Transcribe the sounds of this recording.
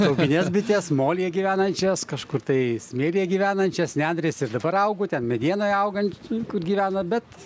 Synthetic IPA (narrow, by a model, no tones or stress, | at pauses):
t̪ɐʊpʲɪnʲesbʲɪt̪ʲeːsmoːlʲijɛɡʲiːʋʲæːnɐnʲt͡ʃʲɛskɐʃkʊrt̪ɐɪsʲmʲeːlʲijɛɡʲiːʋʲæːnɐnʲt͡ʃʲɛsʲnʲæːnd̪ɾʲeːsɪrd̪ɐbɐɾɐʊɡoːt̪ʲɛnmʲɛd̪ʲiɛnoːjɐʊɡɐnʲkʊrɡʲiːʋʲæːnɐbʲɛt̪